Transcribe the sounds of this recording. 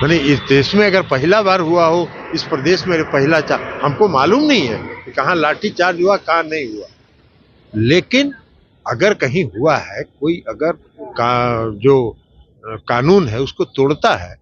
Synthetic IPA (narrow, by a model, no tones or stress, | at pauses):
mɛːneɪsd̪eːsmẽɐɡəɾpɐɦɪlabaːɾɦuaɦoɪspɾɐd̪eːʃmẽɐɡəɾpɐɦɪlat͡ʃaːhɐmkomaːluːmnɐɦĩɦɛ̰ːkikɐɦãlaːʈit͡ʃaːɾd͡ʒɦuakɦãnɐɦĩɦuaɦɛ | leːkɪn | ɐɡəɾkɐɦĩɦuaɦɛkoːiʔɐɡəɾ | kad͡ʒoː | kaːnuːnɦɛʊskot̪oːɽt̪aɦɛ̰ː